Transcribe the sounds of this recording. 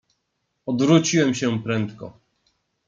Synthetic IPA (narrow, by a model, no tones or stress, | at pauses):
ɔd̪vɾut͡ɕiwɛmɕɛpɾɛnt̪kɔ̰